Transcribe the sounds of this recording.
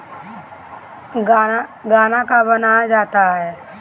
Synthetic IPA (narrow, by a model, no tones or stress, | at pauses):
ɡaɡaːnakabənaːjad͡ʒaːt̪aɦɛː